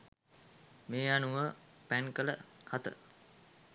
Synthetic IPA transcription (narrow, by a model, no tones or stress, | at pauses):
meːanuʋəpæŋkələhat̪ə̰